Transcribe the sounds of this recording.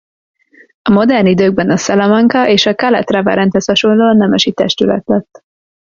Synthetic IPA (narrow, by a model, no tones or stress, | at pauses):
ɒmo̞d̪ɛrnid̪øːɡ̚bɛnɒsɛlɛmɒŋkɒʔeːʃɒkɛlɛ̰t̪rɛvɛ̰ɾɛnt̪hɛshɒʃo̞nloːnɛmɛʃit̪ɛʃt̪ylɛ̰t̪lɛt̪ː